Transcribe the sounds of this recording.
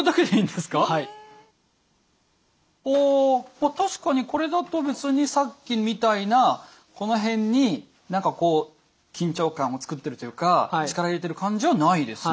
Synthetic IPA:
d̪akʲe̞d̪eĩːnd̪e̞sɨ̥kai | oːmat̪aɕi̥kaɲ̟iko̞ɾe̞d̪at̪o̞be̞t͡sɨɲ̟isakʲːimʲit̪aina | ko̞no̞ɦẽ̞ɲ̟ːi | nãŋkako̞ː | kʲĩɲ̟t͡ɕo̞ːkãɰ̃o̞t͡sɨ̥kɯ̟t̪ːe̞ɾɯ̟t̪o̞jɯ̟ːkat͡ɕi̥kaɾaiɾe̞t̪e̞ɾɯ̟kãɲ̟d͡ʑiβanaid̪e̞s

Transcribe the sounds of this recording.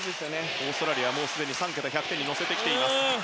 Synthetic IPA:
d̪esɨjone | oːst̪oɾaɾʲiaβamoːsɨd̪e̞ɲ̟isãŋk̬ʲet̪açʲakɯ̥t̪e̞ɲ̟ːino̞se̞t̪ekʲi̥t̪e̞ima

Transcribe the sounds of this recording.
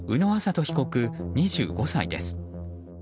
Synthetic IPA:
ɯ̟no̞asat̪o̞çi̥ko̞kɯ̟ɲ̟iʑɨ̰ːɡo̞said̪e̞̰sɨ̥

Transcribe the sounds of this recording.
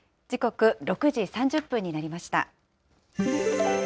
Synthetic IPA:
d͡ʑiko̞kɯ̟ɾo̞kɯ̟ʑisãɲ̟d͡ʑɨpːɯ̟̃ɲ̟ːinaɾʲimaɕi̥t̪a̰

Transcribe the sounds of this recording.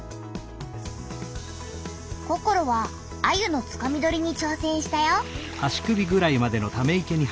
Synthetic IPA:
ko̞ko̞ɾo̞βaː | jɯ̟no̞t͡sɨ̥kamʲid̪o̞ɾʲiɲ̟it͡ɕo̞ːsẽ̞ɰ̃ɕi̥t̪ajo | aɕi̥kɯ̟bʲiɡɯ̟ɾaimad̪e̞no̞t̪ame̞ike̞ɲ̟i

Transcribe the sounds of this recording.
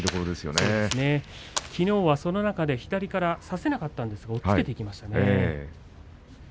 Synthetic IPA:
it̪o̞koɾo̞d̪e̞sɨjo̰ned̪esɨne̞ | kʲino̞ːβaso̞no̞nakad̪e̞çi̥t̪aɾʲikaɾasase̞nakat̪ːãnd̪e̞sɨɡao̞ɨket̪e̞ikʲimaɕi̥t̪ane

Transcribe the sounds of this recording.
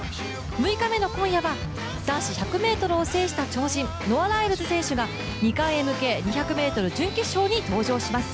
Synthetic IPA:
mɯ̟ikame̞no̞kõ̞ɰ̃jaβa | d̪ãɰ̃ɕiçakɯ̟me̞ːt̪o̞ɾɯ̟ose̞ːɕi̥t̪at͡ɕo̞ːʑĩn | no̞βanaiɾɯ̟zɨsẽ̞ɰ̃ɕɨɡa | ɲ̟ikãɰ̃e̞mɯ̟ke̞ɲ̟içakɯ̟me̞ːt̪o̞ɾɯ̟d͡ʑɨ̃ŋkʲeɕo̞ːɲ̟it̪o̞ːʑo̞ːɕimasɨ̥

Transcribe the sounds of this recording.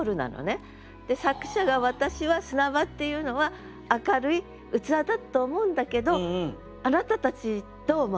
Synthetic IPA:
ɾɯ̟na̰no̰ne̞ | d̪̥e̞sakɯ̟̥ɕaɡaβat̪aɕiβasɨnabat̪ːe̞jɯ̟ːno̞βaː | kaɾɯ̟i | ɯ̟t͡sɨad̪at̪ːoːmo̞ɯ̃nd̪ake̞d̪o̞ | anat̪at̪at͡ɕi | d̪̥o̞ːmo

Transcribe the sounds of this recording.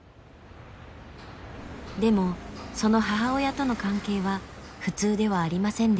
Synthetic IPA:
d̪e̞mo̞so̞no̞ɦaɦao̞jat̪o̞no̞kãŋke̞ːβaɸɯ̟t͡sɨːd̪e̞β̞aːɾʲimasẽnd̪

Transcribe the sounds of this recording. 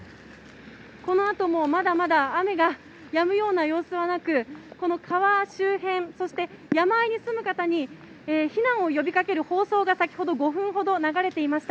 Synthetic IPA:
ko̞no̞at̪o̞mo̞mad̪amad̪aːme̞ɡa | jamɯ̟jo̞ːnajo̞ːsɨβanakɯ̟ko̞no̞kʰaβaɕɨːɦẽ̞ɴ̃so̞ɕi̥t̪e̞jamaiɲ̟isɨmɯ̟kat̪aɲ̟i | eːçinãɰ̃o̞jo̞bʲikake̞ɾɯ̟ho̞ːso̞ːɡasakʲi̥ho̞d̪o̞ɡo̞ɸɯ̟̃ɰ̃ɦo̞d̪o̞naɡaɾe̞t̪e̞imaɕi̥t̪a

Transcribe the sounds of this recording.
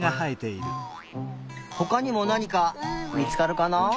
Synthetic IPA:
ɡahait̪e̞iɾɯ̟ | ho̞kaɲ̟imo̞naɲ̟ikamʲit͡sɨ̥kaɾɯ̟kana

